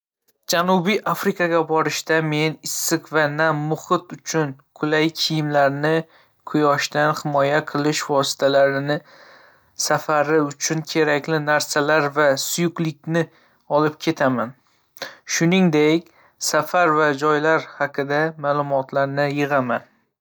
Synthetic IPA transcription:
d͡ʒanubijʔafɾɪkʰaɡʲabɒɾɪʃt̪ame̞nɪsːɪqvanamʊhɪt̪ʊt͡ʃʰʊnkʰʊlajkʲʰijɪmlaɾnɪ | kʰʊjɒʃt̪anhɪmɒjaqʰɨlˠɪʃvɒsɪ̥t̪ʰalaɾɪnɪ | safaɾɪʊt͡ʃʰʊnkʲʰe̞ɾakʲlɪnaɾsalaɾvasʊjʊqlɪkʲnɪ | ɒlˠɪp̚kʲʰe̞t̪ʰaman | ʃʊnɪŋd̪ekʲ | safaɾvad͡ʒɒjlaɾhaqʰɨd̪amaːlˠʊmɒt̪ʰlaɾnɪjɨʁaman

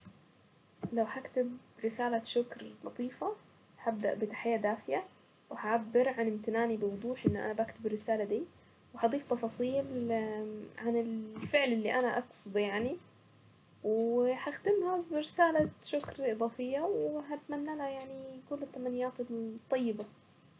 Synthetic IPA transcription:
lawhakt̪ɪb | ɾɪsaːlaʃʊkɾlɑt̪ˤiːfa | habd̪a̰ʔbɪt̪ḁħɪjːad̪aːfɪja | wɪhaʕabːɪɾʕanɪmt̪ɪnaːnibɪwʊd̪ˤuːħʔɪnːʔa̰nabakt̪ɪbrːɪsaːlad̪iː | whɑd̪ˤiːft̪ˤːɑfɑːsˤiːl | ʕanɪlfɪʕlɪlːiʔanaʔɑksˤɨd̪ˤjaʕni | wħaxd̪ɪmhabɪɾɪsaːlaʃʊkɾʔɨd̪ˤɑːfɪjːawɦat̪manːalhajaʕnikʊlːɪt̪ːamanːɪjːaːt̪ɪlt̪ˤːɑjːɪba

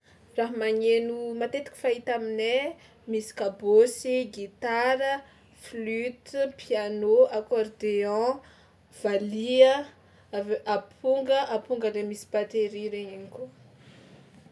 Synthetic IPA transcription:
raɦamaɲenumat̪et̪iki̥fait̪amine | misi̥kabosiɡit̪aɾə | flyt̪pʰianoakɔrd̪eɔ̃ | v̥aliə | apʰuŋɡəʔapuŋɡəlemisi̥pat̪eɾiɾeɲiɲiko

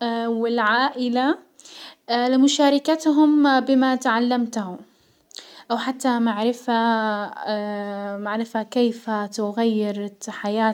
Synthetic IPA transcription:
wɪlʕaːʔɪla | lɪmʊʃaːɾˤɪkat̪ɦʊmbɪmat̪ʕalːamt̪ahʊ | ʔawħat̪ːamaʕɾɪfa | maʕɾɪfhakeːfat̪ʊɣajːɪɾħajaː

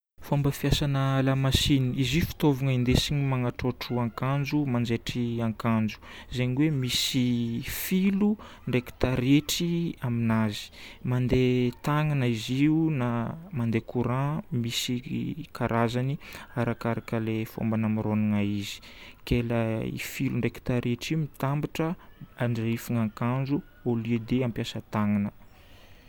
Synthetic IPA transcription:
fombəfiasanəlamasiniiziufi̥t̪ovuŋaind̪esiɲimaŋaʈ͡ʂoʈ͡ʂuaŋkand͡ʒumand͡ʒeʈ͡ʂiaŋkand͡ʒu̥zeɲiwemisifilu | ɳɖ͡ʐeki̥t̪aɾeʈ͡ʂiaminazi̥mand̪et̪aŋanaiziunamand̪ekʰuɾãmisikaɾʔazaniaɾakaɾakəlefo̰mbanamiɾoniŋaizi̥keləḭfiluɳɖ͡ʐeki̥t̪aɾeʈ͡ʂiumit̪ambiʈ͡ʂəaɳɖ͡ʐifuŋaŋkanzu | olied̪eampjasət̪aŋanə

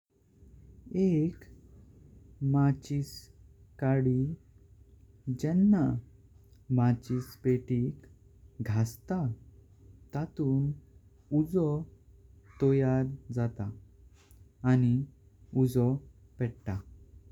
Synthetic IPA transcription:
ek | mat͡ɕis | kaɽi | d͡ʑɛnːa | mat͡ɕispeʈik | ɡʱast̪a | t̪at̪uːn | ud͡zɔ | t̪ɔjaɾd͡zat̪a | ni | ud͡zɔ | pɛɽʈa

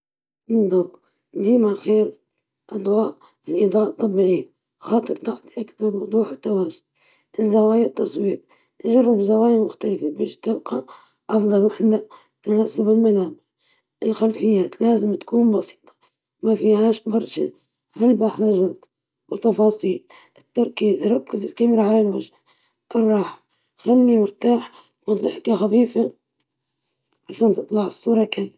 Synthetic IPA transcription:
ɪnd̪ˤɑb | d̪iːmaʕxeːɾ | ʔad̪ˤwaːʔ | ɪlʔid̪ˤɑːʔt̪ˤːɑbːiʕɪjːa | xaːt̪ˤɨɾt̪aʕt̪ʔakb̪ɑɾwʊd̪ˤuːħɪt̪ːawaːʒʊd̪̥̚ | ʔɪzːawaːjat̪ːɑsˤwiːɾ̚ | ʔaʒɑrˤːɪbzawaːjmʊxt̪alɪfabeːʃt̪ɪlqɑ | ʔɑfd̪ˤɑlwaħalːa | t̪anaːsʊbɪlmalaːbɪs | ʔɪlxalfɪjːaːt̪laːzɪmt̪kuːnbɑsi̥ːt̪ˤɑ̥ | mafiːhaːʃbɑɾˤʃa̰ | halbaħaːʒaːt̪ | wɪt̪ːɑfɑːsˤiːl | ʔɪt̪ːɑɾˤkiːzɾˤɑkːɪzɪlkamɾaʕalalwaʒha | ʔɨrˤːɑːħḁ | xalːimʊɾt̪aːħ | wɪnt̪ɪħkaxafiːfa | ʕaʃaːnt̪ɨt̪ˤlɑʕɨsˤːuːɾˤɑkalː

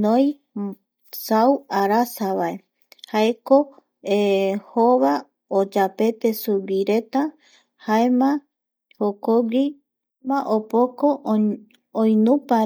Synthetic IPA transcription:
nõj̃ | sawaɾasaβae | haeko | ehoβa | od͡ʒape̞t̪e̞suwiɾe̞t̪a | haemã | hokoɡi | mãʔopoko | õjnũpa

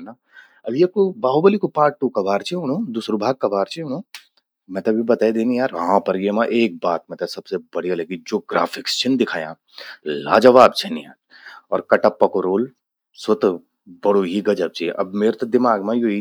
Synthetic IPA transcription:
na | ɐbʱiɐkobaːɦobəlikopaːʈʈːukɐbaːɾt͡ʃʰeɦʊnoːd̪ʊsɾʊbʱaːɡ̚kɐbaːɾt͡ʃeɦʊnõː | mɛ̃t̪ɐbʱibɐt̪aːed̪eːnĩjaːɾʋɐɦãpɐɾjemãʔeːk̚baːt̪̚mẽt̪ɐsɐbsebɐɽ̤ijaleɡid͡ʒoːɡɾa̰ːfʰɪkst͡ʃʰɪnd̪ɪkʰaːjã̰ | la̰ːd͡ʒɐʋaːb̚t͡ʃʰɐnija̰ːɾ | ɔːɾkɐʈapːɐkoɾoːl | sʊt̪ | bɐɽoɦiɡɐd͡ʒəb̚t͡ʃiʔɐ̰bmeːɾt̪od̪ɪmaːɡmãjoːi

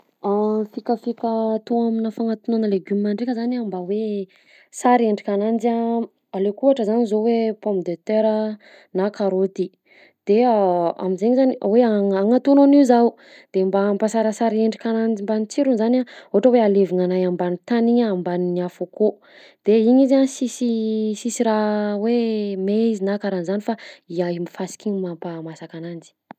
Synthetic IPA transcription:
afikʲəfikʲət̪oaminəfaŋat̪unoanəleɡummaɳɖ͡ʐekʲəzanambawe | saɾieɳɖ͡ʐikʲanand͡zia | alekuaʈ͡ʂəzanizowepomd̪et̪eɾə | nakaɾot̪i | d̪̥ea̰mizeɲizaniweaŋaŋat̪unoniwzau | d̪̥embampasaɾasaɾieɳɖ͡ʐikanand͡zimbanit͡siɾunzanaoɦaʈ͡ʂəwealeviŋanajambanit̪aniɲaambaninafoko | d̪̥eiɲizansisisisiɾawemeizinakaɾanzanifaiaimifasi̥kʲiɲmampamasakanand͡zi̥

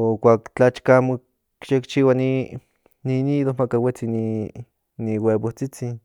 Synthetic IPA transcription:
okʷaːkt͡ɬat͡ʃkaamo | kʃekt͡ʃiwani | niniðomakawet͡sini | niwebot͡sit͡sin

